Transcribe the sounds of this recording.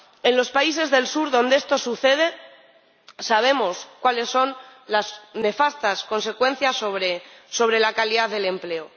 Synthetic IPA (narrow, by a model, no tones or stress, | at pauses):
e̞nlo̞spais̬e̞zðe̞lsuɾðond̪eest̪o̞suθe̞ð̞e̞ | saβ̞e̞mo̞skwale̞sːo̞nlasne̞fast̪asko̞nse̞kwe̞n̟θjasoβɾeso̞β̞ɾe̞lakaliðaððe̞le̞mple̞o